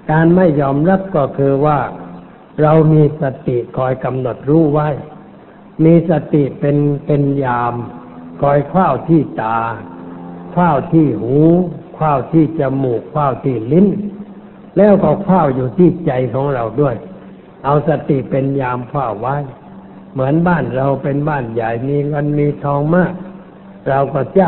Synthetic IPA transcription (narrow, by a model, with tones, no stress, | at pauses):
kaː˧nma˥˩jːɔː˧˩mɾa˦˧˥p̚kɔː˧˩kʰɯː˧waː˧˩ | ɾa˧wmiː˧sa˧t̪i˨˩˨ʔkʰɔː˨˩jka˧mno˨˩t̪̚ɾuː˧˥˨wa˧˥˩j | miː˧sa˧t̪i˨˩ʔpe˧npe˧njaː˧mkʰɔː˧˩jkʰwaː˧˥˩wt̪ʰiː˧˩t̪aː˨˩ | kʰwaː˧˥˩wt̪ʰiː˧˩huː˨˦kʰwaː˧˩wt̪ʰiː˧˩t͡ɕa˧˦muː˨˩kʰwaː˧˩wt̪ʰiː˧˩li˧˥˨n | lɛː˧˥˨wkɔː˧˩kʰwaː˥˩wjuː˨˩t̪ʰiː˧˩˨t͡ɕa˨˧jkʰɔː˨˦ŋɾa˧wdu˧˩əj | ʔa˧wsa˧t̪i˨˩ʔpe˧njaː˧mkʰwaː˧˩wːa˧˥˨j | mɯ˩˨˦ənbaː˧˥˩nɾa˧wpe˧nbaː˧˥˩nja˨˩jmiː˧ŋa˧˥nmiː˧t̪ʰɔː˧ŋmaː˧˥˩k̚ | ɾa˧wkɔː˧˩t͡ɕa˧˨